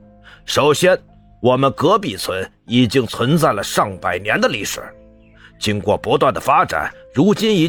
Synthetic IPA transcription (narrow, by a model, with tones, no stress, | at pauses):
ʂo˨˩ʊɕjɛ˥n | wɔ˨˩mə˦nkɤ˧˥pi˨˩t͡sʰwə˧˥n | i˨˩t͡ɕi˥ŋt͡sʰwə˧˥nt͡sa˥˩ɪlə˩ʂɑ˥˩ŋpa˨˩ɪnjɛ˧˥nd̪ə˧li˧˥˩ʂɻ̩̰˨˩˦ | t͡ɕi˥ŋkwɔ˥˩pwɔ˧˥t̪wa˥˩nd̪ə̰˩fa˥ʈ͡ʂa̰˨˩˦nɻu˧˥t͡ɕi˥ni˧˥